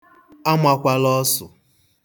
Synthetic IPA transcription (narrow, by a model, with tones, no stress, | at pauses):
a˦ma˦kʷa˦lɔ˦sʊ̰˨